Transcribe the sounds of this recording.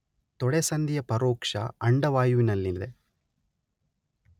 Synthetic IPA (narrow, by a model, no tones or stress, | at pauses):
t̪ɔɽesɐnd̪ijɐpɐɾoːkʂɐ̰ɐɳɖɐʋaːjuʋinɐlːind̪e